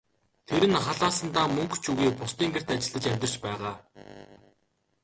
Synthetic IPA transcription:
t̪ʰeɾɘ̆nχaɮaːsə̆nt̪aːmɵŋkt͡ɕʰuɣiːpʊst̪iːŋɡer̥t̪at͡ɕɪ̆ɮə̆t͡ɕæmʲt̪ɪ̆r̥t͡ɕpæːʁaː

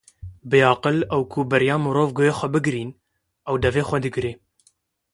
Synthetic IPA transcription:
bɨjɑːqɨlɛwkʰubɨɾjɑːmɨɾoːvɡojeːxʷɛbɨɡɾiːn | ɛwd̪ɛveːxʷɛd̪ɨɡɾeː

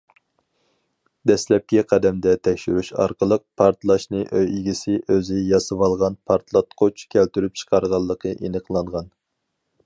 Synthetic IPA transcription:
d̪ɛslɛp̚kʲɛqʰɛd̪ɛmd̪ɛt̪ʰɛkʲʃyɾyʃɑ̰ɾqʰəlˠəq̚pʰɑɾt̪lˠɑʃnɨʔøjiɡʲisɪʔøzɪjɑsɨwɑlˠʁɑnpʰɑɾt̪lˠɑt̪qʰot͡ʃkʲʰælt̪yɾyp̚t͡ʃʰə̥qʰɑɾʁɑlˠːəqʰəʔenəqlˠɑɴʁɑn

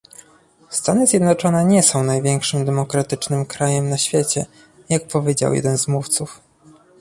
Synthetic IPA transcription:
st̪anɘzʲjɛd̪nɔt͡ʂɔnɛɲɛsɔ̃w̃najvʲjɛŋkʂɘmd̪ɛmɔkɾat̪ɘt͡ʂnɘmkɾajɛmnaɕfʲjet͡ɕɛ̰ | jak̚pɔvʲjed͡ʑa̰wjɛ̰d̪ɛnzmuft̪suf

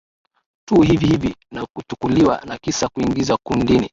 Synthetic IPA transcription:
tuːɦivihivinakutukuliwa̰nakisakuiŋɡizakundini

